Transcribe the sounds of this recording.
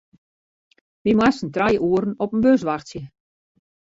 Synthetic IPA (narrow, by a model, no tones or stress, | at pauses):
ʋimwasən̩trajʔuəɾn̩ɔpənbøs̬ʋaxtsjə